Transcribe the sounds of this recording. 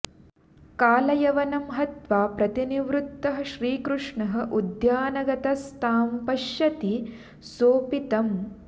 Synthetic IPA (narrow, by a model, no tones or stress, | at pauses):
kaːlɐjɐʋɐnɐmɦɐt̪ʋaːpɾɐt̪iniʋɾut̪ːɐɦɐ̆ʃɾiːkɾuʂɳɐɦɐ̆ʔud̪jaːnɐɡɐt̪ɐst̪ʰaːmpɐʃjɐt̪i | soːpit̪ɐm